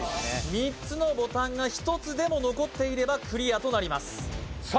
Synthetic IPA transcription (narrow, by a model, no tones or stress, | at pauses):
mʲit͡sɨno̞bo̞t̪ãŋɡaçi̥t̪o̞t͡sɨd̪e̞mo̞no̞ko̞t̪ːe̞iɾe̞bakɯ̟ɾʲijat̪o̞naɾʲimasɨ̥s